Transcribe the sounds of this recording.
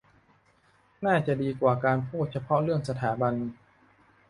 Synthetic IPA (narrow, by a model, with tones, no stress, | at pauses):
naː˥˩t͡ɕa˨˩ʔdiː˧kwaː˨˩kaː˧npʰuː˥˩t̪̚t͡ɕʰa˧pʰɔ˦˥ɾɯ˥˩əŋsa˧t̪ʰaː˩˦ba˧n